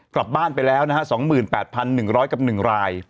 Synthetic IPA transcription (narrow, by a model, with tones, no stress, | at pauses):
kla˨˩p̚baː˥˩npa˧jlɛː˦˥wna˦˥hʰa˦˥sɔː˩˦ŋmɯː˨˩npɛː˨˩t̪̚pʰa˧nːɯ˨˩ŋɾɔː˦˥jka˨˩p̚nɯ˨˩ŋɾaː˧j